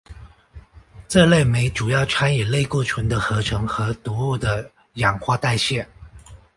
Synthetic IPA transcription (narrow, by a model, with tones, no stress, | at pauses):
ʈ͡ʂɤ˥˧le˥˩ɪme˧˥ɪʈ͡ʂu˨˩jɑ˥˩ʊʈ͡ʂʰa˥njɛ˨˩le˥˧ɪku˥˩ʈ͡ʂʰwə˧˥nd̪ə˧xɤ˧˥ʈ͡ʂʰɤ˧˥ŋxɤ˧˥t̪u˧˥u˥˩d̪ə˩ | jɑ˨˩ŋxwa˥t̪a˥˧ɪɕjɛ˥˩n